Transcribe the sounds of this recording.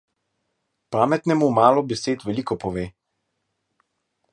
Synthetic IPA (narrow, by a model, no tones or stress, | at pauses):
paːmɛt̪nɛmumaːlɔbɛseːt̪ʋɛliːkɔpɔʋeː